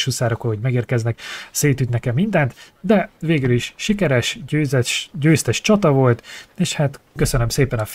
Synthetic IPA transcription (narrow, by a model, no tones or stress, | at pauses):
ʃusaːɾokoɦoɟmɛɡeːrkɛznɛkseːt̪yt̪nɛkɛmːind̪ɛnt̪ | d̪ɛveːɡyliʃʃikɛɾɛʃøːzɛʃɟøːst̪ɛʃt͡ʃɒt̪ɒvo̞lt̪eːʃhaːt̪kø̞sønømseːpɛnɒ